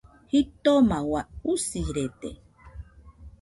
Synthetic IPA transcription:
hit̪omawausiɾet̪ḛ

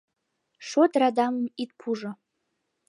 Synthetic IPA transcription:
ʂodradammitpʰuʐa

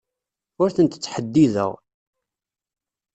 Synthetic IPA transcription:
ʊɾθənt̪ət͡sːħəd̪ːiðə̰ʁ

